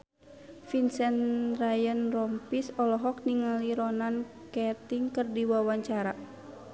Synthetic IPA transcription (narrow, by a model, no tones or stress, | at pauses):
finsɛnrajənrɔmpisɔlɔɦɔk̚niŋaliɾɔnan | kɛt̪iŋkərdiwawaɲt͡ʃaɾa